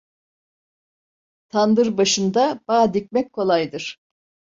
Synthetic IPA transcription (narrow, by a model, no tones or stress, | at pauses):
t̪ʰand̪ɯɾbaʃɯnd̪ab̥aːd̪ic̚mɛc̚kʰo̞lˠajd̪ɯɾ̥